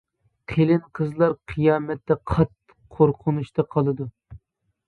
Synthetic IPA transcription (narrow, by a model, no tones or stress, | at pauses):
qʰelɪnqʰəzlˠɑɾqʰɨjɑːmɛt̪ːɛqʰɑt̪ːə̥oɾqʰʊnuʃt̪ɑqʰɑlˠɨd̪u